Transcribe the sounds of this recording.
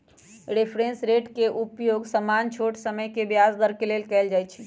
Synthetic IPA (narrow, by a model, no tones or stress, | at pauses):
ɾepʰɾẽnsɾeʈkeʔupjoɡsəmant͡ʃʰoʈsəməjkebjasd̪əɾkelelkɛɪld͡ʒajt͡ʃʰi